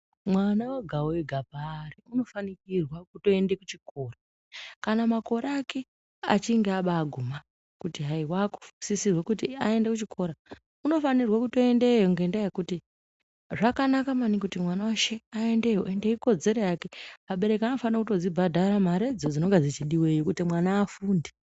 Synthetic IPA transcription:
mwanawaɡʱaweɡʱapariuno̞fanikirwakuto̞endekut͡ʃiko̞ːra | kanamako̞ɾeaːke̞ | a̰t͡ʃiŋɡeaɓaːɡʱuma | kutiɦaiwaku̥fusisirwekutiae̞ndekut͡ʃikʰo̞ɾa | uno̞fanirwakuto̞e̞ndejoŋɡendajekuti | ʐakanakamanikutimwanawaʃeaendejoʔendeiko̞d͡ze̞ɾe̞jake̞maɓe̞ɾe̞kiano̞fanirakuto̞d͡zibʱadʱaɾamaɾe̞d͡zod͡zino̞ŋɡed͡zit͡ʃiɗiwe̞jokutimwanaːfuːnde

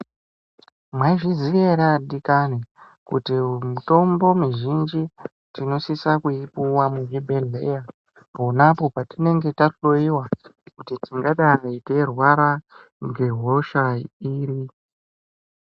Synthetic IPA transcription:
mwaiʐizieɾaɗikani | kṵtimuto̞mbo̞miʒind͡ʒi | tino̞sisakuipuwamuɦibʱene̞ja | ponapo̞patine̞ŋɡe̞tarulo̞iwakutitiŋɡaɗarete̞rwaɾa | ŋɡe̞ɦo̞ʃaiːri

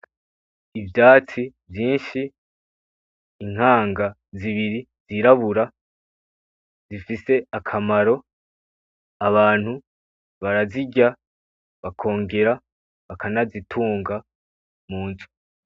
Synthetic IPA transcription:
ivjaːt͡sivjiːnʃi | ŋ̥haːŋɡa | ziβiɾi | ziɾaβuɾa | zifise̞akʰamaɾo̞ | aβaːn̥hu | βaɾaziɟa | βakʰo̞ːŋɡe̞ɾa | βakanazitʰuːŋɡa | muːnzu̥

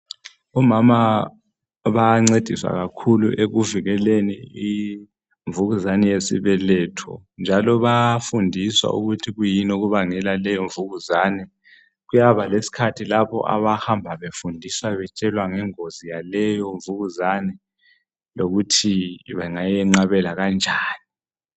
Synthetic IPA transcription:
umama | βaŋ͡ǀed̥ʱiswa̰ɣakʰuluʔeɣuviɣɛlenii | ɱvuɣuzanɛjesḭβɛlɛːtʰɔnd͡ʒʱalɔβafundʱiswa̰ʔṵɣutʰiɣujinoɣuβaŋɛlalɛjɔɱvuɣuzaːnɛ | ɣujaβalesi̥kʰatʰilaβɔ̰ʔa̰βahambʱaβefundʱiswaβɛt͡ʃʼɛlwaŋɛŋozijalɛjɔɱvuɣuzanɛ | loɣutʰiβɛŋajɛŋ͡ǀaβɛlaɣand͡ʒʱaːni

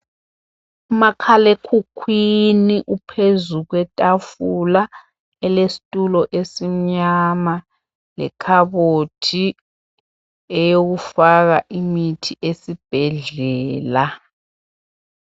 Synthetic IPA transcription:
makʰalekʰukʰwiniʔupʰezuɣ̬wɛtʼafula | ɛlesi̥tʼulɔʔesiɲama | lɛ̰kʰaβotʰi | ɛjoɣufaɣaʔimitʰiʔesib̥ʱɛɮɛːla

